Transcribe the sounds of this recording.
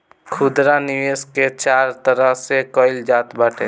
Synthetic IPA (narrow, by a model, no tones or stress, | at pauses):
kʰud̪ɾaniʋesket͡ʃaɾt̪əɾəɦsekɔɪld͡ʒat̪bəʈʰḛ